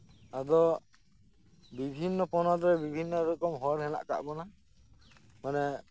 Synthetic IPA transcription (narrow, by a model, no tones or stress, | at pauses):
ad̪ɔ | bibʱinːɔpɔnɔd̪ɔɾɛbibʱinːɔɾɔkɔmɦɔɾɦɛna̰ʔka̰ʔbɔna | manɛ